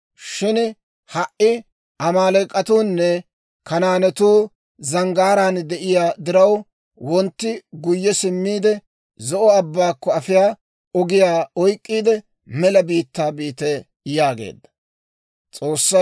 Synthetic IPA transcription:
ʃɪn | hɐʔɪ | ʔɐmaːlɛkʼːɐt̪uːnːɛ | kɐnaːnɛt̪uː | zɐŋɡaːɾaːnd̪ɛʔɪjaːd̪ɪɾɐw | wɔnt̪ːɪɡʊjːɛsɪmːiːd̪ɛ | zɔʔɔɐbːaːkːɔɐfɪjaː | ɔɡɪjaːɔjkʼːiːd̪ɛ | mɛlɐbiːt̪ːaːbiːt̪ɛ | jaːɡḛːd̪ːɐ̥ | t͡sʼo̞ːsːɐ

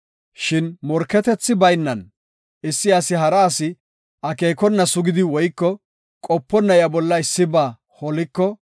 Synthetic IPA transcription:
ʃɪnmɔɾkːɛt̪ɛt͡sːɪbɐjnːɐn | ɪsːɪɐsɪɦɐɾɐːsɪ | ʔɐke̞ːkɔnːɐsʊɡɪd̪ɪwɔjkːɔ | kʼɔpːɔnːɐjɐbɔlːɐɪsːɪbaː | hɔlɪkːɔ

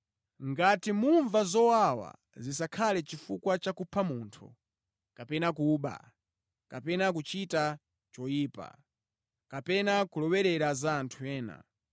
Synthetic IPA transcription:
ŋɡatimuɱvazɔwawa̰ | zisakʰalɛt͡ʃifukwat͡ʃakupʰamuːntʰṵ | kapɛnakuɓa̰ | kapɛnak̬ut͡ʃita | t͡ʃɔjiːpa̰ | kapɛnakulɔwɛɾɛɾazaːntʰuɛːna̰

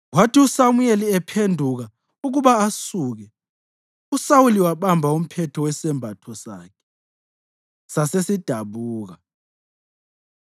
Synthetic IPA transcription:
watʰiusamujeliɛpʰendʱuɣ̬a | uɣuɓaasuːk̬ɛ | usawuliwaɓambʱaum̩pʰɛtʰɔwɛsɛmbʱatʰɔsaːkʰɛ̥ | sasesid̥ʱaɓuːɣ̬a

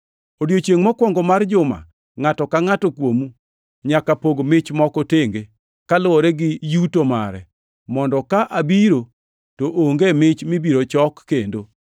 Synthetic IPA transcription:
odjot͡ʃjeŋmɔkwɔŋɡɔmard͡ʒʊma̰ | ŋatɔkaŋatɔkwomu | ɲakapoɡmɪt͡ʃmɔkɔteŋɡe | kalʊwɔɾɛɡɪjutomaɾɛ̰ | mɔndɔkaʔabiɾo | toʔoŋɡemɪt͡ʃmɪbiɾot͡ʃɔkːendo

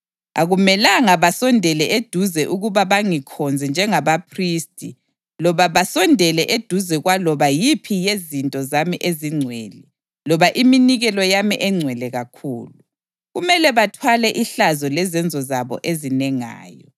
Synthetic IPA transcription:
a̰ɣumɛlaŋaβasɔndʱɛlɛʔed̥ʱuzɛʔuɣuβaβaŋikʰɔnd͡zʱɛnd͡ʒʱɛŋaβapʰristʼi | lɔβaβasɔndʱɛlɛʔed̥ʱuzɛɣwalɔβajipʰijezintʼɔzamiʔeziŋ͡ǀʱweːli | lɔβaʔiminiɣɛlɔjamiʔɛŋ͡ǀʱwɛlɛɣakʰuːlu | ɣumɛlɛβatʰwalɛʔiɬazɔlɛzɛnd͡zʱɔzaβɔ̰ʔezinɛŋa̰ːjɔ

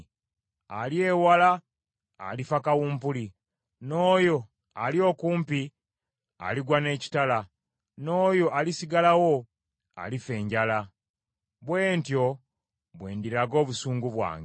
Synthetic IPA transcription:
alie̞wala̰ː | lifakawuːmpuli | no̞ːjo̞ | alio̞kuːmpi | a̰liɡwane̞ːci̥tala | no̞ːjo̞ʔalisiɡalawo | a̰life̞ːɲɟala | βwe̞ːntjo̞ | βwe̞̰ːndiɾaɡo̞ːβusuːŋɡuβwa̰ːŋɡ

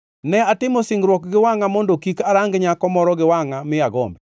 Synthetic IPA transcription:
nɛatɪmɔsɪŋɡɾwɔk̚ɡɪwaŋamɔndokikaɾaŋɡɲakɔmɔɾɔɡɪwaŋamɪjaɡɔ̰mbɛ

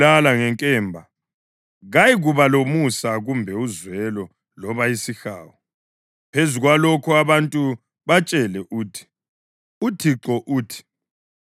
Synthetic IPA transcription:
alaŋɛŋkʼɛːmbʱa | ɣajiɣuβalomusaɣumbʱɛuzwɛlɔ | lɔβaisixaːwɔ | pʰezuɣwalɔkʰɔaβantʼu | βat͡ʃʼɛlɛʔuːtʰi̥ | utʰiǁɔʔuːtʰi̥

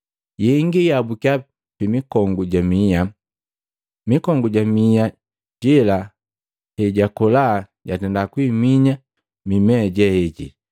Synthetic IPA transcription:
jɛŋɡijabukja | pimikɔŋɡuɟamija | mikɔŋɡuɟamija | ɟila | hɛɟakɔla | ɟatɛndakwimiɲa | mimɛɟɛhɛɟḭ

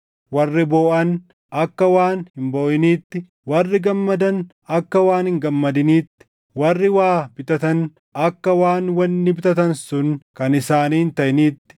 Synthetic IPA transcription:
wɐrːɪboːʔɐn | ɐkːɐwaːnhɪmboːʔɪniːt̪ːɪ | wɐrːɪɡɐmːɐd̪ɐn | ɐkːɐwaːnhɪŋɡɐmːɐd̪ɪniːt̪ːɪ̥ | wɐrːɪwaːbɪt̪ɐt̪ɐn | ɐkːɐwaːnwɐnːɪbɪt̪ɐt̪ɐnsʊnkɐnɪsaːniːhɪnt̪ɐʔniːt̪ːɪ̥

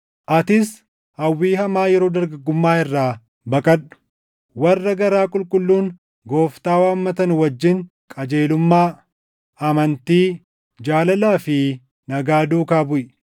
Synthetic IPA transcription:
ʔɐt̪ɪs | hɐwːiːɦɐmaːjɛɾo̞ːd̪ɐɾɡɐɡːʊmːaːɪrːaː | bɐkʼɐɗʊ̥ | wɐrːɐɡɐɾaːkʼʊlkʼʊlːuːŋ | ɡo̞ːft̪aːwaːmːɐt̪ɐnʊwɐd͡ʒːɪŋ | kʼɐd͡ʒe̞ːlʊmːaː | ɐmɐnt̪iː | d͡ʒaːlɐlaːfɪ | nɐɡaːd̪uːkaːbʊʔ

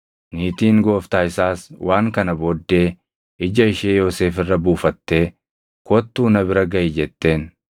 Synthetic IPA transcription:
niːt̪iːŋɡo̞ːft̪aːɪsaːswʔaːŋkɐnɐbod̪ːe̞ː | ɪd͡ʒɐɪʃeːjo̞ːse̞ːfɪrːɐbuːfɐt̪ːe̞ː | kɔt̪ːuːnɐbɪɾɐɡɐʔɪd͡ʒɛt̪ːe̞ːn

